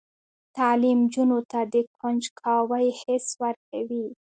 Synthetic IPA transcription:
t̪ɑlimd͡ʒunot̪ad̪əkʰand͡ʒkʰɑwajhɪswaɾk̚awi

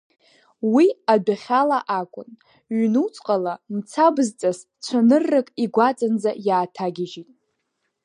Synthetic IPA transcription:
wiadaχʲalaʔakʷʼʊn | ɥnut͡sʷʼqʼalamt͡sʰabɨzt͡sʼas | t͡ʃʷʰanɨrːɨkʼiɡʷat͡sʼand͡zajaːtʰaɡʲɪʒitʼ

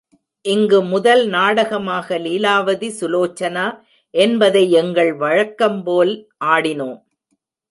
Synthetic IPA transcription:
ʔɪŋɡɯmʊðɐlnaːɽɐɣɐmaːɣɐliːlaːʋɐðisʊloːt͡ʃːɐnaː | ʔɛnbɐðɐɪɛŋɡɐɭʋɐɻɐkːɐmpoːlʔaːɽɪnoːm

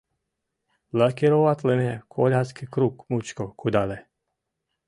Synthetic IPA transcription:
lakeɾoʋat̪lɛmɛkʰoʎʲaskikɾukmut͡ʃkokʰud̪alɛ

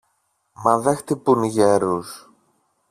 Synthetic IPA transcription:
mɐðext̪ipunʝeɾus

